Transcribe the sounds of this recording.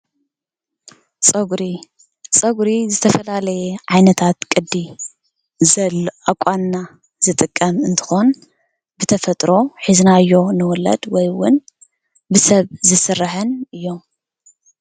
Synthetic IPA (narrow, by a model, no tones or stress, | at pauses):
t͡sʼɐɡɾi | sʼɐɡɾizɨt̪ʰɐfɐlalɐjeʕajnɐt̪ʰat̪kʼɨd̪ːi | zɐlʔakʷʼanːa | zɨt̪ʼɨkʼːɐmɨnt̪ʰɨ̥xo̞n | bɨt̪ʰɐfɐt̪ʼɾo̞ħiznaɨjːo̞nɨwɔlɐ̰d̪wɔjwʊn | bɨsɐβzɨsɨrːaħɨnɨjːo̞m